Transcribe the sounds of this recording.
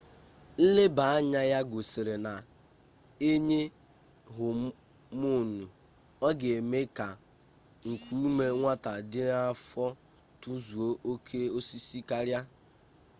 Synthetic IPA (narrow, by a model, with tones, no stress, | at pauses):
lɪ˦ba˨a˦ɲa˦ja˦ɡo˨se˨ɾe˨na˨ | e˦ɲe˦ | ɦʊ˨ | mu˦˨nu˨ | ɔ˦ɡe˨me˦ka˨ | ŋ̩˨kʰu˨˦u˦me˦ŋʷa˦ta˨dɪ˦a˦fɔ˦ | tu˦zu˨o˦ʔo˦kʰe˦o˦si˦si˦ka˦ɾja˦